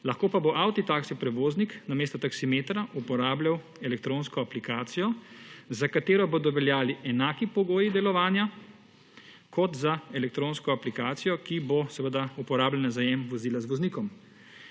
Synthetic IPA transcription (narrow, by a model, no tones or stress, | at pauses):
laxkoːpaboʔawt̪it̪aːksipɾɛʋoːzniknameːst̪ɔt̪aksimeːt̪ɾaʔupɔɾaːbljaw | ɛlɛkt̪ɾoːnskɔaplikaːt̪sijɔzakat̪eːɾɔboːd̪ɔʋɛljaːliʔɛnaːkipɔɡoːjid̪ɛlɔʋaːnja | kʰɔt̪zaɛlɛk̚t̪ɾoːnskɔaplikaːt̪sijɔkibosɛʋəd̪aupɔɾaːbljɛnazajɛmʋɔziːlazʋɔzniːkɔm